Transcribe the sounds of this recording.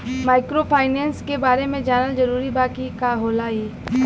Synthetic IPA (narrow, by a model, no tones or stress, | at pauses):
maːɪkɾopʰaːɪnɛːnskebaːɾemẽd͡ʒaːnəld͡ʒɐɾuːɾibaːkikaɦoːlaːiː